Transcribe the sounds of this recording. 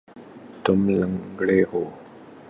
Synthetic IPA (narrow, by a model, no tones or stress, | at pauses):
t̪ʊmləŋɡɽeːɦoː